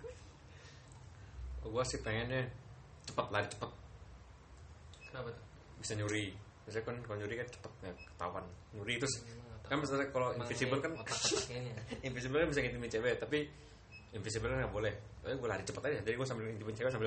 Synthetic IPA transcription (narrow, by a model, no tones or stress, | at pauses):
aɡuasɪhpeŋɛnɲa | t͡ʃə̥pət̪laɾit͡ʃə̥pət̪̚ | k | bisaɲuɾi | bis̬akankaloɲuɾikat͡ʃə̥pət̪̚ɲakə̥t̪a̰uanɲuɾit̪ʊskanmasasakaloinfisibəlkan | infis̬ibəlkanbisaŋint̪imint͡ʃebɛt̪api | infisibəlkanɡaʔbolɛhaɡualaɾit͡ʃəpət̪adaad͡ʒadiɡuasambɪlint̪imɪnt͡ʃebɛsambɪl